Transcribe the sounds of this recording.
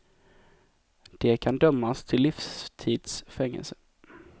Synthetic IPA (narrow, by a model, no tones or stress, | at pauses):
d̪̥ɛkʰand̪œmːast̪ʰɪlːifst̪ʰiːd̪sfɛŋːɛ̰lsə̥